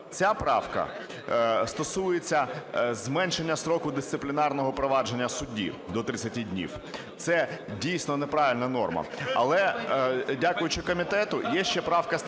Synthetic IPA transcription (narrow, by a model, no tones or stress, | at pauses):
t͡sʲapɾɑwkɐ̰ | st̪ɔsujet͡sʲːɐzmɛnʃenʲːɐsɾɔkʊd̪ɪst̪sɪplʲɪnɑrnɔɦɔpɾɔʋɑd͡ʒenʲːɐsʊdʲḭd̪ɔt̪ɾɪt͡sʲːɐtʲidʲnʲḭw | t̪sɛdʲijsʲnɔnepɾɑʋʲɪlʲnɐnɔrmɐ̰ɐ̰lˠɛ | dʲakʊjʊt͡ʃɪkɔmʲit̪ɛt̪ʊjɛʃt͡ʃɛpɾɑwkɐ